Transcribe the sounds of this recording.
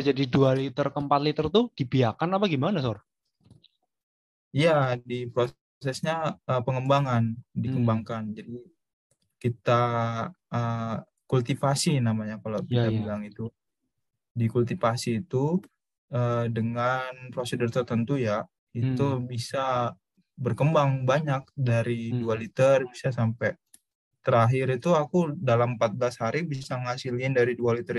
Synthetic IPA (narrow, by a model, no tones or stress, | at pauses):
d͡ʒadidualit̪ərkəmpat̪lit̪ərt̪ud̥ipiakanapaɡimanasɔr | ijadipɾo | sɛsɲaəpəŋəmbaŋandikəmbaŋkand͡ʒadi | kit̪a | ə | kult̪ifasinamaɲakalakit̪abilaŋit̪u | dikult̪ifasiːt̪u | ədəŋanpɾosidərt̪ərt̪ənt̪uja | it̪ubisa | bərkəmbaŋbaɲak̚daɾidualit̪ərbisasampɛ | t̪əɾaɦɪɾit̪uakudalampat̪̚blashaɾibisaŋasiliɪndaɾidualit̪əɾ